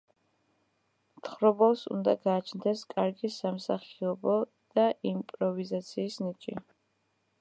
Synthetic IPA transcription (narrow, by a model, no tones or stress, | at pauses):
mt̪ʰχɾɔbɔlˠsṵnd̪aɡaːt͡ʃʰnd̪ɛskʼaɾɡisamsaχiɔbɔ | d̪̥aʔimpʼɾɔvizat̪sʰiːsnit͡ʃʼi